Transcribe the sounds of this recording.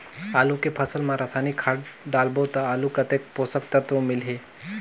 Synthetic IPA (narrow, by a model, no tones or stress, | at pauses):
aːlukepʰəsəlmãɾasaːnikʰaːʈɖaːlbot̪aaːlukɐt̪eːk̚posək̚t̪at̪omɪlɦe